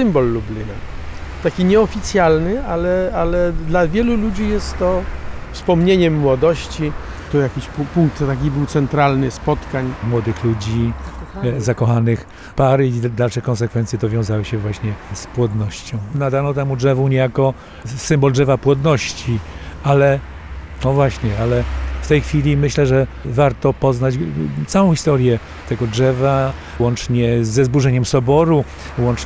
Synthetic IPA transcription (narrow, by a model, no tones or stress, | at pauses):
ɨmbɔlːublʲina | t̪akʲiɲɛɔfʲit̪sʲjalnɘalɛalɛd̪lavʲjɛlulud͡ʑijɛst̪ːɔfspɔmɲeɲɛmːwɔd̪ɔɕt͡ɕi | t̪ɔjakʲiɕppuŋk̚t̪ːak̬ʲibɘwt̪sɛnt̪ɾalnɘspɔt̪kaɲmwɔd̪ɘxlud͡ʑi | zakɔxanɪx | paɾɘid̪alʂɛkɔns̬ɛkfɛnt̪sʲjɛt̪ɔvʲjɔ̃w̃zawɘɕɛvwaɕɲɛspwɔd̪nɔɕt͡ɕɔ̃w̃nad̪anɔt̪ɛmudʐɛvuɲɛjakɔ | sɘmbɔldʐɛvapwɔd̪nɔɕt͡ɕialɛ | nɔvwaɕɲɛalɛft̪ɛjxfʲilʲimɘɕlɛʐɛ | vaɾt̪ɔpɔznat͡ɕt̪sawɔ̃xʲist̪ɔɾjɛ | t̪ɛɡɔdʐɛva | wɔnt͡ʂɲɛzːɛzbuʐɛɲɛmsɔbɔɾu | wɔnt͡ʂ